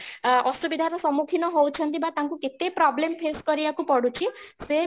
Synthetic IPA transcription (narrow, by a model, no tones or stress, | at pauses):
ɔsubid̪ʱaɾɔsɔmukʰinɔɦowt͡ʃʰɔnt̪ibat̪aŋkuket̪epɾɔblempʰeskɔɾibakupɔɽut͡ʃʰise